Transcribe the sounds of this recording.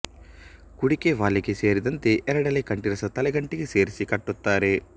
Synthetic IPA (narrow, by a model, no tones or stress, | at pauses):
kuɽikeːʋaːɭːikiseːɾid̪ɐnt̪eʔɛɾɐɽɐlekɐɳʈiɾɐsɐt̪ɐlɐɡɐɳʈikiseːɾisikɐʈːut̪ːaːɾe